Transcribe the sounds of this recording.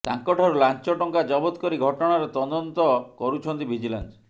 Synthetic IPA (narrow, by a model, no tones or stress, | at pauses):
t̪a̰ŋkɔʈʰɔɾɔlant͡ʃɔʈɔŋkad͡ʒɔbɔt̪kɔɾiɡʱɔʈɔɽ̃aɾɔt̪ɔd̪ɔnt̪ɔkɔɾut͡ʃʰɔnt̪ibʱid͡ʒila̰ns